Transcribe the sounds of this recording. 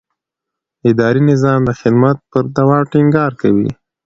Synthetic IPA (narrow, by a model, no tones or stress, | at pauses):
ɪd̪ɑɾinɪzɑmd̪əxɪd̪mat̪̚pəɾd̪awɑʈɪŋɡɑɾkawḭ